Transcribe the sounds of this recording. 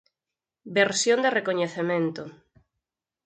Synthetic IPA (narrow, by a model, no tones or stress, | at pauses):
beɾsjõnd̪erekoɲeθemẽnt̪o